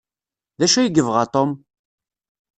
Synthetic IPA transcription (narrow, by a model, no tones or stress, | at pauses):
ðæʃæjəɡəvʁat̪ˤom